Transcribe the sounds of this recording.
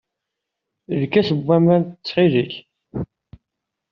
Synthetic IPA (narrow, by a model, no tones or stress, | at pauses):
ðkːæsəbːæmænt̪ət͡sːʁiðiç